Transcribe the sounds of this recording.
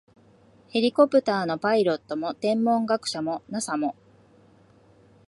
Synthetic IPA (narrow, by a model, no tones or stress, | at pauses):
he̞ɾʲiko̞pɯ̟t̪aːno̞paiɾo̞t̪ːo̞mo̞t̪ẽ̞mːõ̞ŋɡakɯ̟̥ɕamo̞nasamo̞